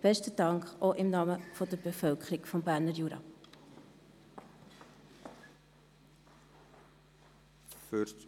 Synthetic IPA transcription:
b̥ɛstəd̥ɑŋkχoʔɪmnɑːməfɔdəɾbefœlkʰəɾɪɡfɔmbæːɾnəɾjuːɾɑ̰ | føt

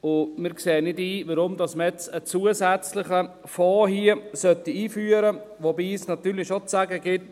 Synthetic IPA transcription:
ʊmɪːɾkseːənɪdiːʋəɾʊmdɑsmɛt͡sət͡suəsæt͡slɪχə | fɑːɦiəsœtːiiːfyːəɾəʋobiːsnɑt̪yːɾlɪʃot͡sæɡəɡɪt̚

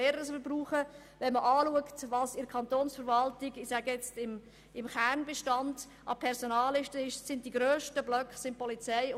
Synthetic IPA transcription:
eːɾəəsbruːχə | ʋɛnməʔɑːluəktvɑːsɪɾkʰɑnt̪oːnsfəɾvɑltɪɡɪsæɡəjɛt͡stɪm | ɪmχæːɾnbɛʃtɑnd | ʔɑpʰɛɾsonɑːlːɪʃtəɪʃsɪntiɡɾøːʃtəblœkχsɪn̚pɔlit͡sɛɪ

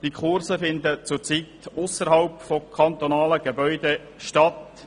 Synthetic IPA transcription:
d̥ikʰʊrsəfɪnd̪ət͡sʊrt͡sit̪ʊsəɾɦɑlpfɔkʰɑnt̪ɔnɑːləɡ̥ebœʏd̪e | ʃtɑt̪

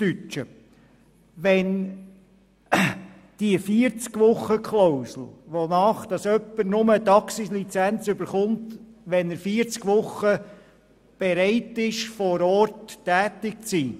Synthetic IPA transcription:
tyt͡ʃə | ʋɛn | d̥iəfiəɾt͡skʋʊχːəkʰlowsl̩ʋonɑːχd̥̪ɑsœpːəɾnʊmət̪ɑksislit͡sænt͡sʏbəɾχʊntʋɛnəɾfiəɾt͡skʋʊχːə | b̥ɛɾɛɪtɪʃfɔːɾɔɾtːæːtɪk̚t͡siː

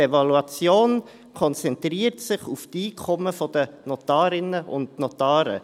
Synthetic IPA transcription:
evɑluɑt͡sjoːn | kʰɔnt͡sɛntriːəɾtsɪχuftiːkʰɔməfɔd̥ənɔtɑːɾɪnəʔʊ̰ndnɔtɑːɾə̰

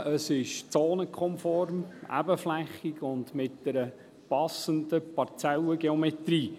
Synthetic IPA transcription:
əsɪʃt͡soːnəkʰχɔmfɔrmæ̰bəflæχiɡʊndmɪt̚d̥ɛɾə | pɑsəndəpɑɾt͡sɛləɡeɔmɛt̪ɾiː

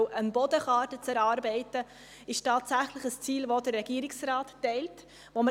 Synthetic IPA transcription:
wʔənbɔdəχɑːɾtət͡sɛɾɑːɾbɛɪtə | ɪʃtɑːtsæχləɪχəst͡siːlvodəɾːɛɡ̥iəɾɪksrɑːtːɛɪlt | ʋomə

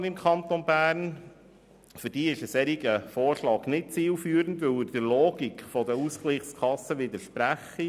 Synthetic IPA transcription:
nɪmkʰɑnt̪ɔnbæːɾn | fʏɾd̥iːɪʃəsɛɾiɡəfoːɾʃlɑːɡnɪt̚t͡siːlfyːɾənd̪ʋɵwɪɾd̥ɪɾloːɡikfɔd̪əuskliχskʰɑsːəʋɪd̪əɾʃpɾæχːi

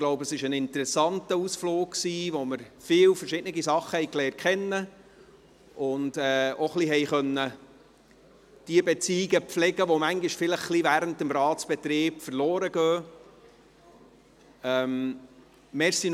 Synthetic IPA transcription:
ɡ̥loʊbəəsɪʃənɪntəɾɛsɑntəusfloːkksiːʋoməɾfɪːwfəɾʃɪdnəɡisɑχːəhɛɪklɛːr̚kʰɛnːə | ʔʊnd̥ɛːoχliɦɛjχœnːə | d̥iəbɛt͡siːɪɡəpflɛɡəʋomæŋɡiʃfɪləχχlivæːɾəntəmɾɑːtt͡sb̥ɛt̪ɾiːbfəɾlɔːɾəɡœː | ɛm | meɾsin

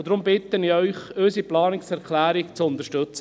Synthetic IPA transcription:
d̥̪ɾʊmbɪt̪ːəniœʏχøsiplɑːnɪksɛɾkʰlæːɾɪkt͡sʊnt̪əʃtɵt͡s

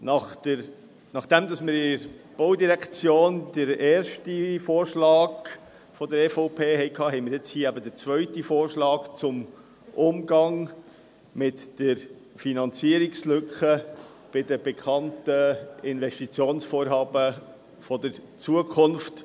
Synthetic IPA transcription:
nɑχtəɾ | nɑχd̪̥ɛmd̪ɑsmɪɾɪɾb̥oʊdiɾɛkt͡sjoːnd̥əɾeːɾʃtifoːɾʃlɑːɡ | fɔd̪əɾɛːfoʊpʰeːɦɛɪkʰɑːɦɛɪmɪɾjɛt͡shiːæbəd̪ət͡svœʏtifoːɾʃlɑːɡt͡sʊm | ʔʊmɡɑŋ | mɪtd̥əɾ | finɑnt͡siəɾɪkslʏkχə | b̥ɪdəb̥ɛkʰɑntəɪnvɛʃtit͡sjoːnsfoːɾɦɑːbə | fɔd̪əɾt͡suəkʰʊnft

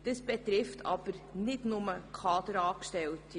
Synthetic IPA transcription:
d̥əsb̥ɛtɾɪftʰɑ̰b̥əɾnɪdnʊməkʰɑːd̪əɾɑːkʃtɛltʰi

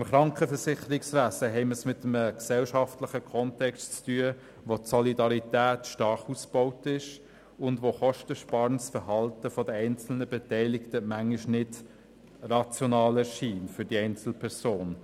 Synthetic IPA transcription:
ɪmχɾɑŋkχəfəɾsɪχəɾɪksvæsəɦɛɪməsmɪtəməksɛlʃɑftləχəkʰɔntɛkstt͡styə | ʋotsɔlidɑɾitæːtʃtɑɾχusb̥oʊtɪʃ | ʊndʋoχɔʃtəʃpɑɾnsfəɦɑltəfɔdəɛɪnt͡sl̩nəbɛtɛɪlɪktəmæŋɪʃnɪd | rɑt͡sjɔnɑːləʃiːnfʏd̥iɛɪnt͡sl̩pʰɛɾsoːn

